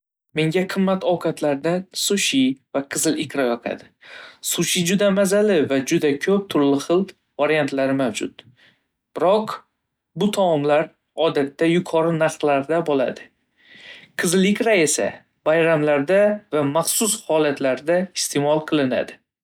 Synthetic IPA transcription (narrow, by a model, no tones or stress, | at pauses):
me̞ŋɡʲaqʰɨmːat̪ʰɒwkʰat̪laɾd̪ansʊʃivaqʰɨzɪlɪkʲɾajɒqʰa̰d̪ɪsʊʃid͡ʒʊd̪amazalɪvad͡ʒʊd̪akʲʰɵp̚t̪ʰʊɾlɪχɨlˠ | vaɾijant̪laɾɪmawd͡ʒʊt̪ | b̥ɪɾɒq | bʊt̪ʰamɒmlaɾ | ɒd̪at̪ːajʊkʰɒɾɪnaɾqlaɾd̪abɒlˠa̰d̪ɪ | qʰɨzɪlɪkʲɾaesa̰ | bajɾamlaɾd̪avamaχsʊshɒlat̪laɾd̪aɪst̪ʰe̞mɒlˠqʰɨlˠɪna̰d̪ɪ